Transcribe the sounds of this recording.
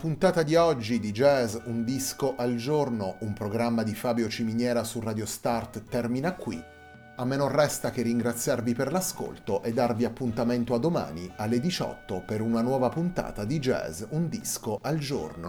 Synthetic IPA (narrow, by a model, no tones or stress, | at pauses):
punt̪aːt̪ad̪iɔd͡ʒːid̪id͡ʒɛzund̪iskoʔald͡ʒornoumpɾoɡɾamːad̪ifaːbjot͡ʃiminjɛːɾasurad̪jost̪art̪t̪ːɛrminakːwḭ | amːenorːɛst̪ak̟erːiŋɡɾat̪sːjarviperlasko̰lt̪oʔed̪ːarviapːunt̪ament̪oad̪ːoma̰ːnialːed̪it͡ʃɔ̰t̪ːopeɾunanwɔːvapunt̪a̰ːt̪ad̪id͡ʒɛ̰zund̪iskoʔald͡ʒo̰rno̰